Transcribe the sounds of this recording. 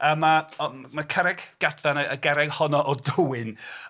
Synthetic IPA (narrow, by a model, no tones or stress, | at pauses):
əmaɔmakʰəɾɛɡ̥ɡ̥adθanəəɡɛɾɛɡ̥hɔnɔʔɔdʊwɪn